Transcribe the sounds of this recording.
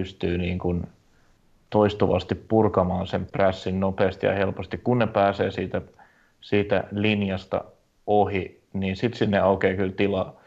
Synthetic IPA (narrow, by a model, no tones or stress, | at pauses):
yst̪yːniːŋkun | t̪oist̪uʋɑst̪ippurkɑmɑːnsempræsːinnopeːst̪jɑ̰helpost̪ikkunnepæːseːsiːt̪æ | siːt̪æ̰linjɑst̪ɑ̰ | ohi | niːnsit̪sinːeɑukeːkylt̪ilɑ